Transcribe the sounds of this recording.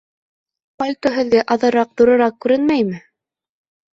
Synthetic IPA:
polʲt̪oɦɘ̆ðɡɘʔɑðɤ̆ɾɑq̚ðoɾɤ̆ɾɑq̚kʉɾɘnmæjmɘ

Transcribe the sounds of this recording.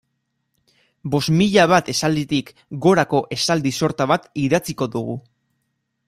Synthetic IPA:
bo̞zmiʎaβ̞at̪e̞sald̪it̪ik | ɡo̞ɾako̞ʔe̞sald̪iso̞ɾt̪aβat̪iðat͡siko̞ðuɣṵ

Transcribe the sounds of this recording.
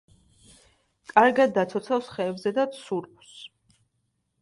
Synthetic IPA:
kʼaɾɡad̪ːat̪sʰɔt̪sʰafsχɛːbzɛd̪at̪sʰuɾ | s

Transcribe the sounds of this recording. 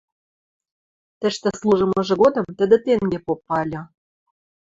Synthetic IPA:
t̪ə̆ʃt̪ĕslˠuʒɤ̆mɤ̆ʒɤ̆ɡod̪ɤ̆mt̪ə̆d̪ĕt̪eŋɡepopːɑlʲɤ̆

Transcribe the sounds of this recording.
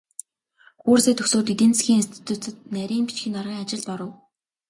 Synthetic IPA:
xuːrseːt̪ʰɵksoːt̪it̪ĕnt͡sxʲiːŋist̪ʰi̥t̪ʰuːt͡sɘ̆t̪næɾʲiːŋpi̥t͡ɕxĭnarʁiːŋat͡ɕɪ̆ɮt̪pɔɾə̆w

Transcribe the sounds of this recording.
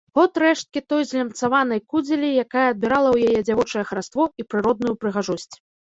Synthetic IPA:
ɣɔt̪ɾɛʂt̪̚kʲit̪ɔjzʲlʲɛmt̪savanɐjkud͡zʲelʲijakajɛːd̪̚bʲiɾalˠɐwjajɛd͡zʲavɔt͡ʂɐjɛxɾast̪vɔipɾɨɾɔd̪̚nujupɾɨɣaʐɔsʲt͡sʲ

